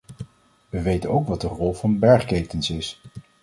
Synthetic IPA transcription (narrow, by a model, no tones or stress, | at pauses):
ʋəʋejtənowkʋɑt̚dərɔlˠvɑnbɛɹχkejtənsɪs